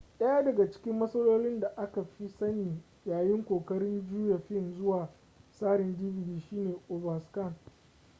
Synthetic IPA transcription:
ɗɐ˦jaː˦dɐ˨ɡa˨t͡ʃɪ̥˦kʲɪ˦mːɐ˦sɐ˦loː˦lɪ˦nda˨ʔa˦ka˨ɸi˦sɐ˦niː˨ | jaː˨jɪ˦ŋkʷoː˨kɐ˦ɾɪ˦nd͡ʒuː˦ja˨ɸɪ˦nzʊ˦waː˨ | saː˦ɽɪ˨ndi˦bɪ˨diː˨ʃiː˦neː˨ʔo˨bɐ˨skɐ˦˨n

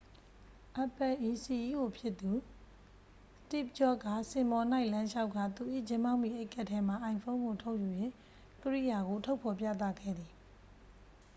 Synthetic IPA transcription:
ʔa˨pɛ˨ʔi˨si˨ji˦˨ɡo˨pʰjɪ˦ʔt̪ːu˨ | stɪ˦˨p̚t͡ɕɔ˦˨ka˦˨sɪ̃˨mɔ˨na˦ɪʔlã˦ʃa˦ʊʔkʰːa˦˨t̪u˨ʔḭ˦˨d͡ʑɪ̃˦mã˦ʊ̃mḭ˦˨ʔe˦ɪkʰɛ˦ʔtʰːɛ˦ma˨ʔã˨ɪ̃fʰõ˦ʊ̃ŋɡo˨tʰo˦ʊʔju˨jwɪ̃˦˨ | kəɹḭ˦˨ja˨ɡo˨tʰo˦ʊpʰɔ˨pjä̰˦˨t̪̬ä̰˦˨ɡʰɛ̰˦˨d̪ði˨

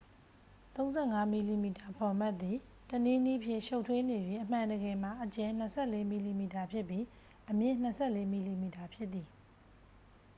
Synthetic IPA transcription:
t̪õ˦ʊ̃nzɛ˦˨ŋa˦mi˨li˨mi˨ta˨pʰɔ˨ma˦t̪ːi˨ | tənẽ˦nḭ˦˨pʰjɪ̰̃˦˨ʃo˦ʊtʰwe˦ne˨bji˦ʔəm̥ã˨ndəɡɛ˨m̥a˨ʔət͡ɕɛ̃˨n̥əsʰɛ˦˨le˦mi˨li˨mi˨ta˨pʰjɪ˦pji˦ | ʔəmjɪ̃˦˨n̥əsʰɛ˦˨le˦mi˨li˨mi˨ta˨pʰjɪ˦t̪ːi˨

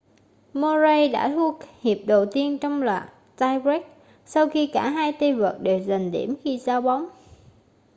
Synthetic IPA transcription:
mɔ˧ze˧jɗa̰ː˧˥t̪ʰu˧˦˥ək̚hi˨˩əp̚ɗə˨˩wt̪i˧ənt͡ɕɔ˧wŋ͡mla̰ː˨˩k | taː˧jɹɛ˦˥k̚ | sa˧wxi˧kaː˧˩ɦaː˧jt̪e˧və˨˩t̚ɗe˨˩wza˨˩ŋ̟ɗḭ˧˩əmxi˧zaː˧wɓa˨˦wŋ͡m

